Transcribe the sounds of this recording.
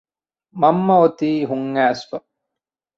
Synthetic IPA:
mɐmːɐot̪iːɦuŋːæːsfɐ

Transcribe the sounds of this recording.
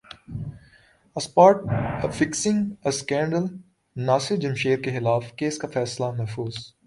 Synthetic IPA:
ɐspaːʈfɪksɪ̃ŋɡɐskɛ̃ːɳɖəl | naːsɪd͡ʒɐmʃeːɾkexɪlaːfkeːskafɛːslamɐɦfuːz

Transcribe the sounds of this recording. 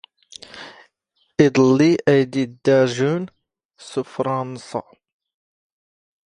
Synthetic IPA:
id̪ˤɑlːiʔæjd̪id̪ːæɾʒun | sufɾˤɑnsɑ̰

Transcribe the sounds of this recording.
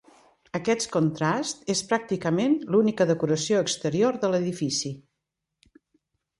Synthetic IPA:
əkɛt̪kunt̪ɾast̪espɾak̚t̪ikəmenlunikəðəkuɾəsioəkst̪əɾioɾðələðifisi

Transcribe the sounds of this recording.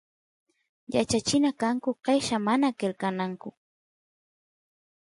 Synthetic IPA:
jat͡ʃat͡ʃɪnakaŋkʊqɑjʃamanakelkanaŋkʊ

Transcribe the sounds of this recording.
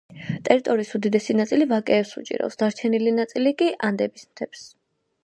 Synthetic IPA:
t̪ʼɛɾit̪ʼɔɾiːsud̪id̪ɛsinat̪sʼilivakʼɛːpsṵt͡ʃʼḭɾɔ̰psd̪̥aɾt͡ʃʰɛnilinat̪sʼilikʼiʔand̪ɛbismt̪ʰɛps

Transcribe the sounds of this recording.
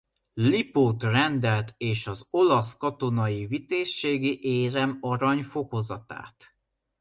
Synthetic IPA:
lipoːt̪rɛnd̪ɛlt̪eːʃɒzo̞lɒskɒt̪o̞nɒjivit̪eːʃːeːɡiʔeːɾɛmɒɾɒɲfo̞ko̞zɒt̪a̰ːt̪

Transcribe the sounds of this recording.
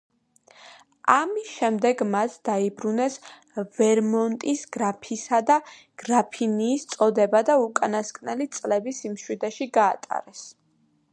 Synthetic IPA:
amisʃɛmd̪ɛɡmasd̪̥aibɾunɛs | vɛɾmɔnt̪ʼisɡ̥ɾapʰisad̪a | ɡ̥ɾapʰiniːst̪sʼɔd̪ɛbad̪aukʼanaskʼnɛlit̪sʼlɛbisimʃwid̪ɛʃiɡaːt̪ʼa̰ɾɛs

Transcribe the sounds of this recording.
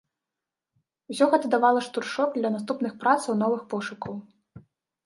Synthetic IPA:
usʲɔɣɛt̪ɐd̪avalˠɐʂt̪urʂɔkd̪lʲɐnast̪upnɨxpɾat̪sɐwnɔvɨxpɔʂukʰɐw

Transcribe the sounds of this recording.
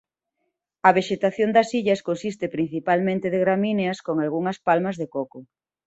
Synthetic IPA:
ɐβ̞eʃet̪aθjond̪ɐsiʎɐskonsist̪epɾin̟θipalmẽnt̪eðeɣɾamineɐskoŋalɣuŋɐspalmɐzðekoko

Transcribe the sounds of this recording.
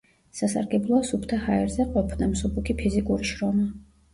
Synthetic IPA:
sasa̰ɾɡɛblˠɔasupʰt̪ʰahaɛɾzɛqʼɔpʰnamsubukʰipʰizikʼuɾiʃɾɔma

